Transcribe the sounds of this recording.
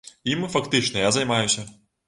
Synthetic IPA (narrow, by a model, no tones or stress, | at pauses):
imɨfakt̪ɨt͡ʂnɐjazɐjmajusʲɐ